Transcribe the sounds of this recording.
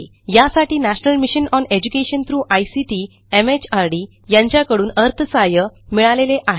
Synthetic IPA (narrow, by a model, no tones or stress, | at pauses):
jasaʈiːnæɕnəlmiɕənɔned͡ʑukeɕənt̪ʰɾuːʔajsiʈiː | emet͡ɕaɾɖiː | jãɲt͡ɕjakəɽuːnəɾt̪ʰəsajəmiɭaleleʔaɦe